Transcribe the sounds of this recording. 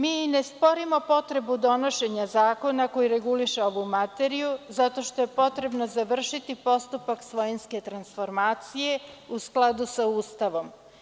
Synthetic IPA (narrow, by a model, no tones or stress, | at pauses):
miːnespo̞ɾimo̞po̞t̪ɾe̞bud̪o̞no̞ʃe̞ɲazaːko̞nako̞jiɾe̞ɡuliʃeo̞ʋumat̪e̞ɾijuzat̪o̞ʃt̪o̞je̞po̞t̪ɾe̞bno̞zaʋr̩ʃit̪ipo̞st̪upaksʋo̞jinske̞t̪ɾansfo̞ɾmaːt̪sije̞usklˠad̪usauːst̪aʋo̞m